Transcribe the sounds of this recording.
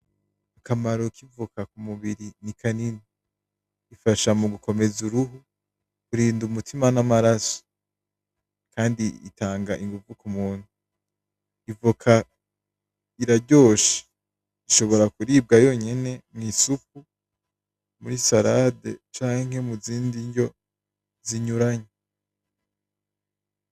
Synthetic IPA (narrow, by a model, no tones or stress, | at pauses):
akamaɾo̞kʰivukʰakumuβiɾinikʰanini | ifaʃamuɡukʰo̞me̞zuɾuɦu | kuɾiːndumutʰimanamaɾaso̥ | kaːndiḭtʰaːŋɡaʔiŋɡuvukumuːn̥hu | ivukʰa | iɾaɟo̞ːʃe̥ | iʃo̞βo̞ɾakuɾiːb̚ɡajo̞ɲe̞ne̞mŋisup̚u | muɾisaɾade̞̰t͡ʃaːŋ̥he̞muziːndiɲɟo̞ | ziɲuɾaɲe